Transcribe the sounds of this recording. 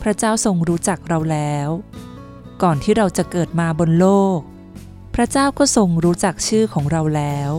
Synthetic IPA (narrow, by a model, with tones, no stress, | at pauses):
pʰɾa˦˥t͡ɕaː˥˩wso˧ŋɾuː˦˥t͡ɕa˨˩k̚ɾa˧wlɛː˦˥w | kɔː˨˩nt̪ʰiː˥˩ɾa˧wt͡ɕa˨˩kɤː˨˩t̪̚maː˧bo˧nloː˥˩k̚ | pʰɾa˦˥t͡ɕaː˥˩wkɔː˥˩so˧ŋɾuː˦˥t͡ɕa˨˩k̚t͡ɕʰɯː˥˩kʰɔː˩˦ŋɾa˧wlɛː˦˥w